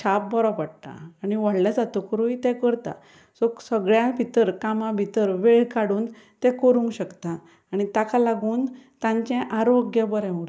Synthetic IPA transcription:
t͡ɕʰap̚bɔɾɔpaɽt̪a̰ːñiʋaɽljad͡zat̪ukɾuit̪ɛ̃kəɾt̪a̰ | soksəɡɭjãbʱit̪əɾkamãbʱit̪əɾʋeɭkaɽuːn | t̪ɛ̃kəɾũŋkɕəkt̪aː | ɽ̃it̪akʰalaɡuːnt̪ãɲt͡ɕɛ̃ʔaɾoɡjəbəɾɛ̃muɽ

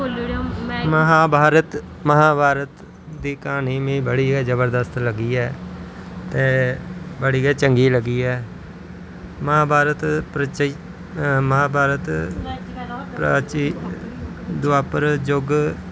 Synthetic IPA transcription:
məɦaːbʱaːɾət̪ | məɦaːbʱaːɾət̪ | d̪iːkaːniːmĩːbəɽiːɡɛːd͡ʒəbəɾd̪əst̪ləɡiːɛː | t̪eːbəɽiːɡɛːt͡ʃəŋɡiːləɡiːɛː | məɦaːbʱaːɾət̪pɾət͡ʃ | məɦaːbʱaːɾət̪ | pɾa̰ːt͡ʃiː | d̪ʊaːpəɾd͡ʒʊɡ

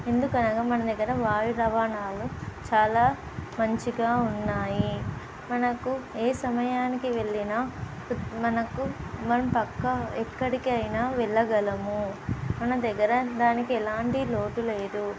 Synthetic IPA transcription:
e̞nd̪ukɐnɐɡaːmɐnɐmd̪ɐɡːɐɾɐʋaːjuɾɐʋaːnaːlut͡ʃaːlaː | mɐɲt͡ʃiɡaːunːaːji | mɐnɐkueːsɐmɐjaːnikiʋe̞ɭːinaː | mɐnɐkumɐnɐmpɐkːɐɛkːɐɽikiɐjnaːʋɛɭːɐɡɐlɐmumɐnɐd̪ɐɡːɐɾɐd̪aːnikiɛlaːɳʈilo̞ːʈ̪uleːd̪u

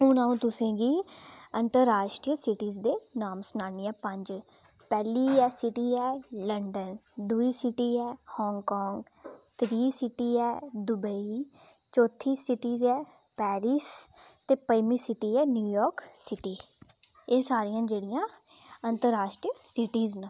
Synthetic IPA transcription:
ɦʊnãːũːt̪ʊsẽːɡiːənt̪əɾaːʃʈɾiːsɪʈiːzd̪eːnaːmsʊnaːniːɛːpəɲd͡ʒ | pɛːliːɛːsɪʈiːɛːləɳɖən | d̪ʊiːsɪʈiːɛːhɔːŋɡkɔːŋɡ | t̪ɾiːsɪʈiːɛːd̪ʊbəi | t͡ʃɔːt̪ʰːiːsɪʈiːzɛː | pɛːɾiːst̪eːpəjmiːsɪʈiːɛːnjuːjɔːɾksɪʈiː | eːsaːɾijãːd͡ʒeːɽɪjãːənt̪əɾaːʃʈɾijəsɪʈiːznẽ

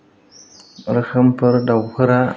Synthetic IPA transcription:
ɾxəmpəɾdawxəɾa

